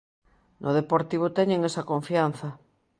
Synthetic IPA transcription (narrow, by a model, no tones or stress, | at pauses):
nʔoð̞epoɾt̪iβ̞ot̪ɛɲẽŋesakõɱfian̟θɐ